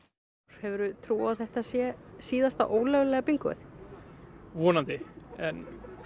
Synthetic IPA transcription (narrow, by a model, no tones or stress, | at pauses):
hɛvʏɾʏt̪ʰɾuːawθɛht̪asjɛsiːðast̪aʔoːwlœɣlɛɣapiŋkʏ̰θ | vɔːnant̪ɪɛn